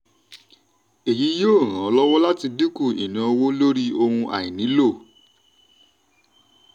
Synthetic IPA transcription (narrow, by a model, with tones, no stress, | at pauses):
e˨ji˨˦joː˦˨ɾ̃ã˨˦lɔ˦wɔ˦la˦ti˧di˦ku˦˨ḭ˨nã˨˦˧wo˦lo˦ɾi˦o˧hũ˧ʔa̰˨ĩ˨nĩ˨˦lo˦˨